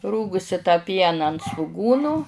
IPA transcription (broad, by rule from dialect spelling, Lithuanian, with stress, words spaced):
ˈruːɡʊsʲɪ tɑː ˈpʲiɛnɐ ɐnt sʋʊˈɡuːnʊ